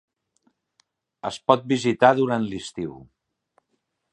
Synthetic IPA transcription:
əspɔt̪̚bizit̪aðuɾant̪list̪iw

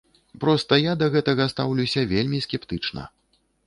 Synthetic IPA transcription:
pɾɔst̪ɐjad̪ɐɣɛt̪ɐɣɐst̪a̰wlʲuwsʲɐvʲelʲmʲiskʲɛpt̪ɨt͡ʂnɐ̰

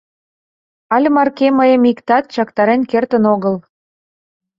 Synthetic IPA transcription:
ɑlʲmɑrkeməjə̆mikt̪ɑt̪̚t͡ɕɑkt̪ɑɾenkert̪ənoɣəl

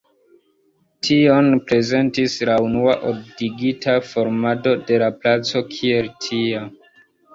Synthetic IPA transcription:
tʰio̞npɾe̞ze̞ntislaunuaʔob̚diɡitafo̞ɾmado̞de̞laplat͡so̞kʰie̞ltʰia

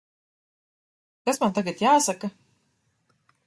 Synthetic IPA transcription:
kasmant̪aɡat̪jaːsaka

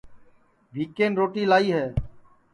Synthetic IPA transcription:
ʋiːkeːnɾoːʈiːlaːiːɦɛː

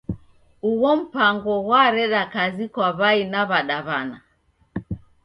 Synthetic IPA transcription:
uɣɔm̩paŋɡɔwaɾɛɗakazikwaβainaβaɗaβana

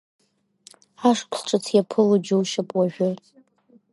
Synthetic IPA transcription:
aʂkʷʰsʈ͡ʂʼɨt͡sʰjapʰɨlud͡ʒuwʃapʼwaʒᶣʊtʼ

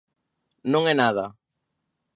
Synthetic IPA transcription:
nõŋɛnaða

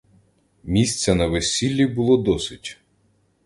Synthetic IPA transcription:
mʲisʲt͡sʲɛnɐʋesʲilʲːibʊlˠɔd̪ɔsɪtʲ

